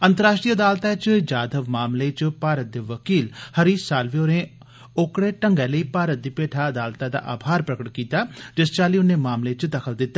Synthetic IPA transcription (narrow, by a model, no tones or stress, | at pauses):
ənt̪əɾaːʃʈɾiːəd̪aːlt̪aːt͡ʃd͡ʒaːd̪əʋmaːmleːt͡ʃpaːɾət̪̚d̪eːʋəkiːlhəɾiːsaːlʋeoːɾẽː | oːkɽeːʈəŋɡɛ̃ːləiːpaːɾət̪̚d̪iːpeːʈʰaːəd̪aːlt̪aːd̪a̰ːʔaːbʱaːɾpɾəkəʈkiːt̪aːd͡ʒɪst͡ʃaːliːʊnẽːmaːmlet͡ʃd̪əkʰəld̪ɪt̪ːaː